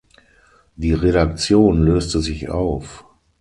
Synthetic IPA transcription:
d̥iːʁedak̚t͡sjoːnløːstəzɪça̰ʊf

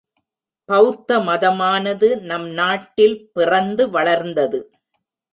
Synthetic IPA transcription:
pɐʋt̪ːɐmɐðɐmaːnɐðɯnɐmnaːʈːɪlpɪrɐnd̪ɯʋɐɭɐɾnd̪ɐðɯ

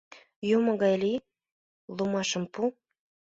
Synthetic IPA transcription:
jumɤ̆ɡɑjli | lˠumɑʃɤ̆mpu

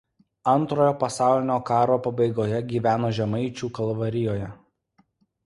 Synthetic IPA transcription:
ɐnˑt̪ɾoːjoːpɐsɑˑʊlʲɪnʲoːkɑːɾoːpɐbɐɪɡoːjɛɡʲiːʋʲæːnoːʒʲɛmɐɪt͡ʃʲuːkɐlˠʋɐɾʲɪjoːjɛ

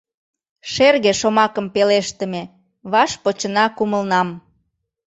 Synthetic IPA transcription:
ʃerɣeʃomɑkəmpeleʃt̪əme | βɑʃpot͡ɕənɑkuməlnɑm

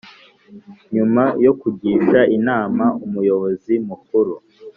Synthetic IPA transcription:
ɲumajo̞kuɟiːʃaʔinaːmaumujo̞βo̞zimukuɾu

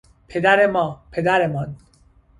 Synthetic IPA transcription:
pʰed̪æɾemɒːpʰed̪æɾemɒn

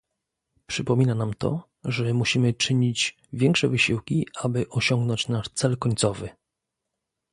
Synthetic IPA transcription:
pʂɘpɔmʲinanamt̪ɔ̰ | ʐɛmuɕimɘt͡ʂɘɲid͡ʑ | vʲjɛŋkʂɛvɘɕiwkʲiabɘʔɔɕɔŋɡnɔɲt͡ɕnaʂt̪sɛlkɔɲʲt̪sɔvɘ

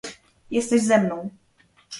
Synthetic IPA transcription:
jɛst̪ɛʑzɛmnɔ̃w̃

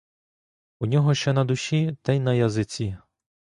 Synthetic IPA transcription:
unʲɔɦɔʃt͡ʃɛnɐd̪ʊʃʲit̪ɐjnɐjɐzɪt͡sʲi

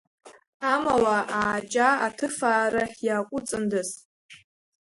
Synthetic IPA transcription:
amawaʔaːt͡ʃʼaatʰɨfaːɾaħjaːkʷʼʊt͡sʼɨndɨs

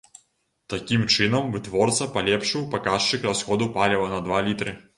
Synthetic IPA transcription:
t̪akʲimt͡ʂɨnɐmvɨt̪vɔrt̪sɐpalʲɛpʂɨwpakaʂt͡ʂɨkrasxɔd̪upalʲɛvɐnɐd̪valʲit̪ɾɨ

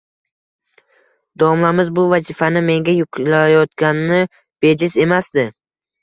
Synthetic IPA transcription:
d̪̥ɒɒmlamɪzbʊvazɪfanɪme̞ŋɡʲajʊqʰlajɒt̪kʲannɪ | b̥e̞d̪ɪse̞masd̪ɪ

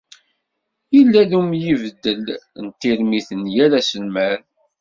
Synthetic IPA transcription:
ilːæðumjivəd̪ːəlnt̪ːiɾmiθənjælæsəlmæɾ

